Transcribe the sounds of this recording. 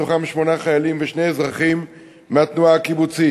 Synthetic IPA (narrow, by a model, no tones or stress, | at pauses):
oχamʃmo̞naχajalimveʃne̞jzʁaχimː | eat̪nuaːkibut͡si